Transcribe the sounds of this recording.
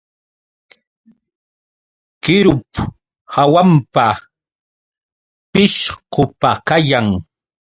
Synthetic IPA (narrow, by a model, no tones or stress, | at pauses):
kɪɾʊp | hawampa | pɪʃqʊpakajaŋ